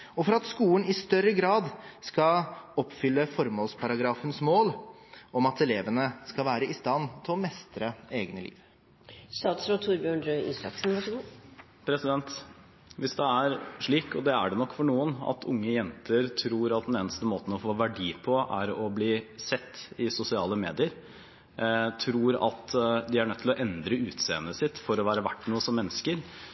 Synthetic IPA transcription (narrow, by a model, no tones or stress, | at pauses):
ɔfɔɾɑt̪skuːənɪst̪œɾəɡɾɑːd̪skɑɔpːfʏlːəfɔɾmoːlspʰɑɾɑɡɾɑːfənsmoːl | ɔmɑt̪ɛleːʋənəskɑlʋæːɾəɪst̪ɑnːt̪ʰɪlɔmɛst̪ɾəeːɡnəlḭːʋ | st̪ɑːt̪sɾoːt̪ʰuːɾbjøːɳɾøːɪ̰slɑ̰ksnʋɑʂəɡu | pʰɾɛsɪd̪ɛnt̪ | ʋɪsd̪ɛæɾʂɭiːkɔd̪ɛæɖɛnɔkːfɔɳuːənɑ̰t̪ʰʊŋːəjɛnt̪ʰəɾt̪ʰɾuːɾɑt̪̚d̪ɛneːnəst̪əmoːt̪n̩ɔfoːʋæɖiːpʰɔʔæɾɔbliːsɛt̪ːɪsʊsɪɑːləmeːd̪ɪəɾ | t̪ʰɾuːɾɑ̰t̪d̪ɪæɳœt̪ʰːɪlɔʔɛnd̪ɾəʉːt̪sḛːənəsɪt̪ːfɔɾɔʋæːɾəʋæʈːnuːəsɔmːɛnːəskəɾ